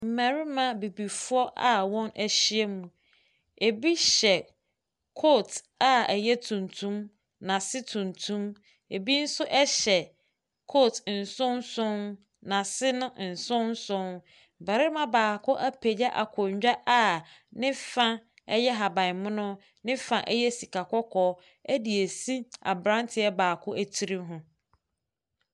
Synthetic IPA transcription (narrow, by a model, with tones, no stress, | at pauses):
m̩˨mæ̃˨ɾi˦mã˨bi˨bi˨fʊ˦ɔ˦ʔa˨wɔ̃˦nʔæ˨ɕi˦ɛ˦mũ˨ | e˨bi˦ɕɛ˨ | kʰo˦˨tʰ | a˨ɛ˨jɛ˦tʰũ˨ntʰũ˦m | nã˨sɪ˦tʰũ˨ntʰũ˦m | e˨bi˦n̩˦sʊ˦ʔɛ˦ɕɛ˨ | kʰo˦˨tʰn̩˨sʊ̃˦n̩˦sʊ̃˦n | nã˨sɪ˦nʊ̃˦n̩˨sʊ̃˦n̩˦sʊ̃˦n˨ | bɛ˨ɾɪ˦mã˦baː˨kʰʊ˦ʔæ˦pʰe˨d͡ʑɛ˦ʔa̰˨kʰɔ˨ɲ˨d͡ʑᶣa˦ʔa˦nɪ̃˦fã˦ | ɛ˦jɛ˦ɦa˨bã˨mʊ̃˦nʊ̃˦ | nɪ̃˦fã˨ʔɛ˦jɛ˦si˨kʰa˨kʰɔ˦kʰɔː˦ | æ˦di˨e˨si˦a̰˨bɾã˦ntʰɪ˨ɛ˦baː˨kʰʊ˦ʔæ˦tʰi˨ɾi˦ɦʊ̃˦